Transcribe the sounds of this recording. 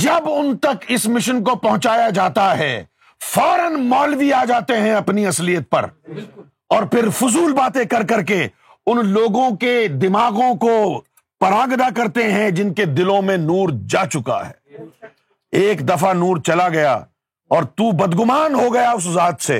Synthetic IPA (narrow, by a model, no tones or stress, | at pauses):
d͡ʒɐbʊnt̪ɐkɪsmɪʃənkopɐ̃ɦʊ̃t͡ʃaːjad͡ʒaːt̪aɦɛː | faːɾənmɔːlʋiaːd͡ʒaːt̪eɦɛ̃ɐpniɐslijət̪̚pɐ̰ɾ | ɔːɾpʰɪɾfʊzuːlbaːt̪ẽkɐɾkɐɾke | ʊnloːɡõked̪ɪmaːɣõko | pɐɾãːɡd̪akɐɾt̪eɦɛ̃d͡ʒɪnked̪ɪlõmẽnuːɾd͡ʒaːt͡ʃʊka̰ɦɛ̰ː | eːkd̪ɐfanuːɾt͡ʃɐlaɡɐja̰ | ɔːɾt̪ubɐd̪ɡʊmaːnɦoɡɐjaʊs̬ʊzaːt̪sḛː